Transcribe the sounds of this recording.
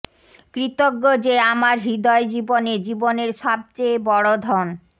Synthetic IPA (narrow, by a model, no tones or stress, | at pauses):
kɾit̪oɡːod͡ʑeamaɾɦid̪ɔed͡ʑiboned͡ʑiboneɾʃɔb̚t͡ɕejbɔɽod̪ʱɔn